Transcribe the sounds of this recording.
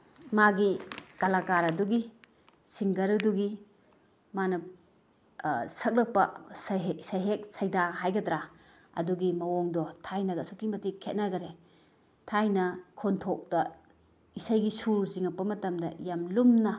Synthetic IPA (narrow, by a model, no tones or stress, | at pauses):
maɡikalakaɾɐduɡi | siŋɡɐɾuduɡi | manɐ | sɐk̚lɐk̚pɐ̰sɦsɐjɦek̚sɐjdaɦajɡɐdɾa | ɐ̰duɡimɐwɔŋdɔtʰajnɐɡɐsukimɐtikʰet̚naɡɐɾe | tʰajnɐkʰontʰok̚d̥ɐ | isajɡisuɾziŋɐpːɐmɐtɐmdɐ̰jamlumnɐ